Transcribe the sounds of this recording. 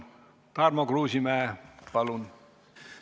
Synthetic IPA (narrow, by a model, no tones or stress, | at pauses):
t̪ɑrmokruːsimæːpɑlun